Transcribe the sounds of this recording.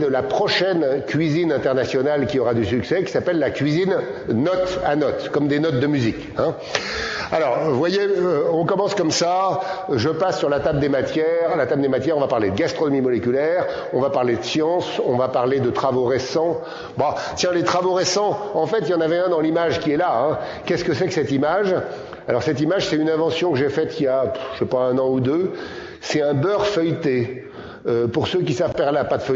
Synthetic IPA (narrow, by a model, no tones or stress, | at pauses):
d̪əlapχɔʃɛnkʲɥizinɛ̃t̪ɛʁnasjɔnalkʲiɔʁad̪ysyksɛkʲi̥sapɛlːakʲɥizinːɔt̪a̰nɔt̪kɔmd̪enɔt̪̚d̪əmyzik | ɛ̃ | alɔʁvwajeøɔ̃kɔmɑ̃skɔmsaʒəpasːyʁlat̪abld̪emat̪jɛʁlat̪abld̪emat̪jɛʁɔ̃vapaʁled̪əɡast̪χɔnɔmimɔlekʲylɛʁ | ɔ̃vapaʁled̪əsjɑ̃sɔ̃vapaʁled̪ət̪χavoʁesɑ̃ | bat̪ʲjɛ̃let̪χavoʁesɑ̃ɑ̃fɛt̪ijɑ̃navɛɛ̃d̪ɑ̃limaʒkʲiɛlaɛ̃ | kʲɛskəsɛkəsɛt̪imaʒ | alɔʁsɛt̪imaʒsɛt̪ynɛ̃vɑ̃sjɔ̃kəʒefɛt̪ijaʃɛpaɛ̃nɑ̃ud̪ø | sɛt̪ɛ̃bœʁfœjt̪e | øpuʁsøk̬ʲisavpɛʁleapad̪əf